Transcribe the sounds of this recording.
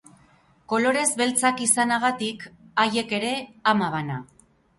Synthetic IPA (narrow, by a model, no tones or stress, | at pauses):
ko̞lo̞ɾe̞zβe̞lt͡sakisanaɣ̞at̪ikaje̞ke̞ɾe̞amaβana